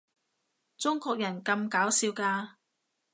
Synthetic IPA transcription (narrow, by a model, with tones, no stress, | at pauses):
t͡sʊ˥ŋkɔː˧k̚jɐ˨˩nkɐ˧mkaː˨˥wsiː˧wkaː˧